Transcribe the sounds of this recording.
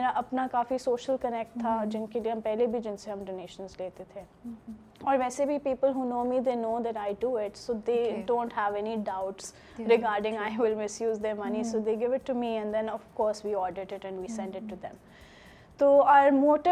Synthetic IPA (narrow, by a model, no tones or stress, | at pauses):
meːɾaʔɐpnakaːfisoːʃəlkənɛk̚ʈ̚t̪ʰːad͡ʒɪnkelieɦɐ̃mpɛɦlebʱid͡ʒɪ̃nseɦɐ̃mɖoːneːʃə̃nzleːt̪et̪ʰe | ɔːɾʋɛːsebʱipiːpəlɦunoːmid̪eːnoːd̪ɛʈaɪɖuɪʈsoːd̪eːɖõːnʈhɦɛʋɛniɖaʊʈs | ɾɪɡaːɾɖɪ̃ŋaɪwɪlmɪsjuːzd̪əɾmɐnisoːd̪eːɡɪʋɪʈːumiɛ̃nd̪ɛ̃nɔʋkɔːɾswiːɔːɖəɖɪʈɛ̃nʋiːsɛ̃ɳɖɪʈːud̪ɛ̰̃m | t̪oːaːɾmoːʈə